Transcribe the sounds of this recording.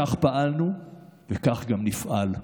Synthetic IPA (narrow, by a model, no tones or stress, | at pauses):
aχpaʔalnuvekaχɡamnifʔal